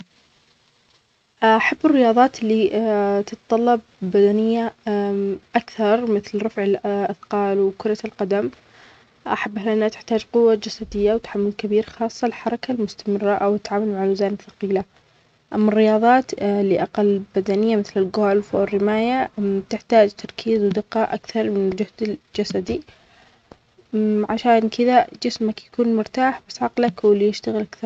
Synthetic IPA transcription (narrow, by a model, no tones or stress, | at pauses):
ʔaħabːɪrːɪjɑːðˤɑːt̪lːit̪ɪt̪t̪ˤɑlːɑb̚ːad̪anɪjːa | ʔakθɑɾˤmɪθlɾˤɑfʕɪlʔaθqɑːlwkʊɾˤɑlqɑd̪am | ʔaħabːaɦlʔɪnːat̪ɪ̥ħt̪aːd͡ʒqʊwːad͡ʒasad̪ɪjːawt̪ḁħamːʊlkabiːɾxɑːsˤːɑlɪlħɑɾˤɑkalmʊst̪amɪrːaʔawt̪ːʕaːmalmaʕalʊzaːnɪθɑ̥qiːla | ʔamːarːɪjɑːðˤɑːt̪lɪʔaqalːbad̪anɪjːamɪθlɪlɡoːlfwɪrːɪmaːjat̪ɪħt̪aːd͡ʒt̪ʰɑɾˤkʰiːzwd̪ɪqːɑʔakθɑɾˤmɪnɪld͡ʒʊhd̪ɪld͡ʒasad̪i | ʕaʃaːnkʰɪðad͡ʒɪsmakjakuːnmʊɾt̪aːħbasʕɑqlakwɪljɪʃt̪aɣɪlʔakθɑɾˤ